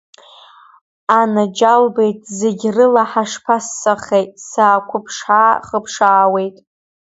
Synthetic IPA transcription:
anad͡ʒalbe̞jtʼzeɡʲrɨlaħaʂpʰasːaχejtʼsaːkʷʰʊpʰʂħaχəpʰʂaːwe̞jtʼ

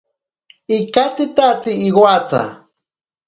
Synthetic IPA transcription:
ikat͡sit̪at͡siːɣwat͡sa̰

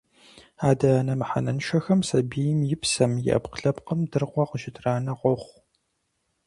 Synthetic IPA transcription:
aːdɐnɐmɨħa̰nɐnʃɐxɐmsɐbiːjɪmjɪpsɐmjɪ̰ʔɐ̰pqɬɐpqəmdɨrqʷɔqəʒɪtʰraːnɐqʷɔχʷ

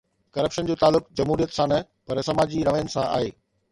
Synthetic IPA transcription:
kɐɾəpʃənd͡ʑoːt̪aːlːʊkd͡ʑɐmɦuːɾijət̪sãnɐ | pɐɾsɐmaːd͡ʑiɾɐʋəjənɪ̆sãʔa̰ːɦḛː

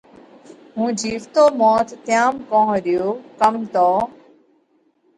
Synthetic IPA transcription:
ɦũːd͡ʒiːʋt̪oːmɔːt̪ːjaːmkõːɦɗɪjoːkəmt̪oː

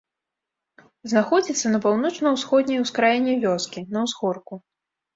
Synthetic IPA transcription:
znaxɔd͡zʲit̪sːɐnɐpawnɔt͡ʂnɐwsxɔd̪̚ʲnʲɐjwskɾajɛnʲːɛvʲɔskʲinɐwzɣɔrku

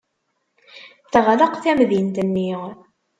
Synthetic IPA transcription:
θʁləqθæmðint̪ənːiʁ

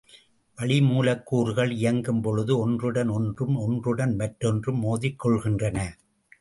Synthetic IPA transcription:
ʋɐɭɪmuːlɐkːuːɾɯɣɐɭɪjɐŋɡɯmpɔɻɯðɯɔndrɯɽɐnɔndrɯmɔndrɯɽɐnʋɐʈɾɔndrɯmːoːðɪkːɔɭɣɪndrɐnɐ

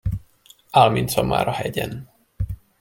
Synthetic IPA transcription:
almint̪sɔma̰ːɾɒhɛɟɛn

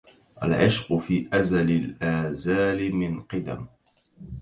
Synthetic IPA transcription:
ʔa̰lʕɪʃqʊfiːʔazalɪlʔaːzaːlɪmɪnqɨd̪a̰m

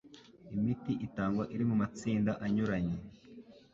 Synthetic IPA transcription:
imitiʔitaːŋɡwaʔiɾimumat͡siːndaʔaɲuɾaɲe

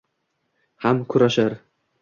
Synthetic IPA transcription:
hamkʰʊɾaʃaɾ

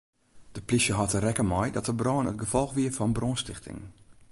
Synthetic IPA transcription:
d̥əpliʃjəɦɔtərɛkəmɔjdɔtəbrɔːnət̚ɡəfɔlˠxʋiəfɔnbrɔːnstɪxtʰɪ̰ŋ

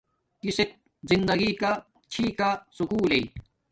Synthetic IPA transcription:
kiset̚ | zind̪ɐɡika | t͡ɕʰiːkasukuːlei

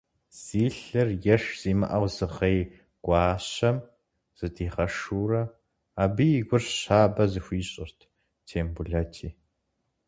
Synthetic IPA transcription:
z̥iːɬɐrjɛʂz̥iːmɨ̰ʔɐwzɨʁej | ɡ̥ʷɑːɕɐm | z̥ɨtʰiːʁɐʂuːrɐ | aːbɨjiɡʷʊrɕaːbɐzɨxʷiːɕʼɪrtʰ | tʰeːmbʊɮɐtʰiː

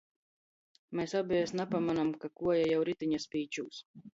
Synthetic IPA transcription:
mɛːsabʲɛjasnapamanamkakuɔjajawɾit̪iɲaspʲiːt͡ʃuːs

